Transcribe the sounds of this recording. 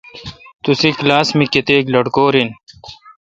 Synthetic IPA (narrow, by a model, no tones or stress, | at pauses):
t̪usiklaːsmiket̪eːklɐɽkoːɾin